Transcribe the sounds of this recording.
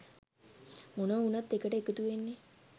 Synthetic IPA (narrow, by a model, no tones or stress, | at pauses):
monəunat̪ːekəʈəekət̪uʋenːe